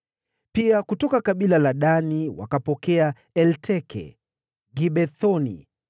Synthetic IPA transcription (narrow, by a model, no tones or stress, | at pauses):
piakutɔkakaɓilalaɗaniwa̰kapɔkɛa | ɛltʰɛkʰɛ̰ | ɡiɓɛθɔnḭ